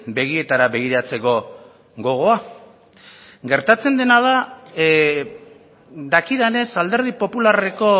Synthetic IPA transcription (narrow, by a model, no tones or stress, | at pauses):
be̞ɣ̞ie̞t̪aɾaβe̞ɣ̞iɾat͡se̞ko̞ | ɡo̞ɣ̞o̞a | ɡe̞ɾt̪at͡se̞nd̪e̞naða | d̪akiðene̞sald̪e̞ɾð̞ipo̞pulare̞ko̞